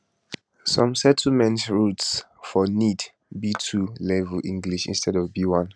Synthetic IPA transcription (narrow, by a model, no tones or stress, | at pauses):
sɔ̃msɛtʰl̩mɛ̃ntɹuts | fɔnid | bitʰulɛvəlʔĩŋɡliʃḭ̃nstʰɛdɔvbiwɔ̃n